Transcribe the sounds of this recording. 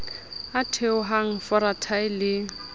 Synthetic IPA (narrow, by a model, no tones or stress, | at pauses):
atʰeʊɦaŋ̩fɔɾatʰaɪlɪ